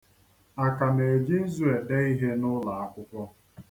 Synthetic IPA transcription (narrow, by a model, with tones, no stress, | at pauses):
a˨ka˨ne˨e˨d͡ʒi˦n̩˦zu˦e˨de˦i˦ɦe˦nʊ˦la˨a˦kʷʊ˦kʷɔ˦